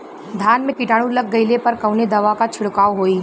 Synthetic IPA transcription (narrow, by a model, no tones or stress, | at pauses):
d̪ʱaːnmẽkɪʈaːɽ̃ũlɐɡ̚ːɐɪlepɐɾkɐʊned̪ɐʋakat͡ʃʰʊɽkaːʋɦoːi